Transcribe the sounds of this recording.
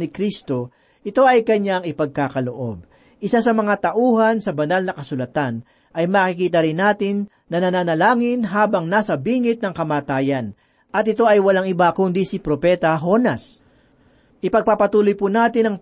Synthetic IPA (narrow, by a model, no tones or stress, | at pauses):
nɪkɾist̪o̞ | ʔɪt̪o̞ʔɐjkɐɲaŋɪpɐɡ̚kaːkɐloʔo̞̰b̚ | ʔɪsasɐmɐŋat̪ɐʔuːhɐnsɐbɐnalnɐkɐsʊlɐt̪an | ʔɐjmakɪkiːt̪ɐɾɪnːaːt̪ɪnː | ɐnɐnaːnɐlaːŋɪnɦaːbɐŋnaːsɐbiːŋɪt̪̚nɐŋkɐmaːt̪aːjɐn | ʔɐt̪̚ɪt̪o̞ɐjwɐlaŋɪbakʊnd̪isɪpɾopɛt̪ɐɦo̞nɐs | ʔɪpɐɡ̚papɐt̪uːlojpunaːt̪ɪnɐŋ